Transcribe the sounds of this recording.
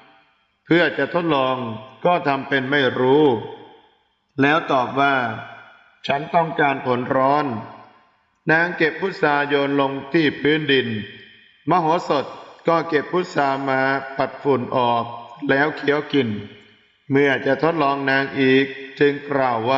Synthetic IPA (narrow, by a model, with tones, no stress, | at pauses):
pʰɯ˥˩ɐt͡ɕa˨˩ʔt̪ʰo˦˥t̪̚lɔː˧ŋkɔː˥˩t̪ʰa˧mpe˧nma˥˩jɾuː˦˥ | lɛː˦˥wt̪ɔː˨˩p̚waː˥˩ | t͡ɕʰa˦˥nt̪ɔ˥˩ŋkaː˧npʰo˩˦nɾɔː˦˥n | aː˦˥ŋke˨˩p̚ʰːu˦˥t̪̚saː˧jo˧nlo˧ŋt̪ʰiː˥˩pʰɯː˦˥ndi˧n | maː˧ɦoː˨˩˦so˨˩t̪̚kɔː˥˩ke˨˩p̚ʰːu˦˥t̪̚saː˧maː˧pa˨˩t̪̚fu˨˩nʔɔː˨˩k̚lɛː˦˥wkʰi˩˦əwki˨˩n | mɯ˧˥˩ɐ˨t͡ɕa˨˩t̪ʰo˦˥t̪̚lɔː˧ŋnaː˦˥ŋʔiː˨˩k̚t͡ɕɯ˧ŋklaː˨˩wːaː˥˩